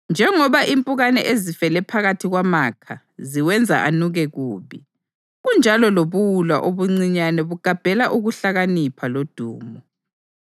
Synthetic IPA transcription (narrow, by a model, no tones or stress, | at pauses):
nd͡ʒʱɛŋɔβaʔimpʼuɣanɛ̰ʔezifɛlɛpʰaɣatʰiɣwamakʰa | ziwɛnd͡zʱa̰ʔanuɣɛɣuːβi | ɣund͡ʒʱalɔloβuwulwaʔoβuŋ͡ǀiɲanɛβuɡ̥ʱab̥ʱɛlaʔuɣuɬaɣanipʰalod̥ʱṵːmɔ